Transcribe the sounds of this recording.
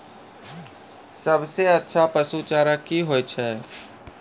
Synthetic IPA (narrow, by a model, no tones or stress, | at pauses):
səbseətːʃʰapəsut͡ʃaːɾakiɦojt͡ʃʰɛ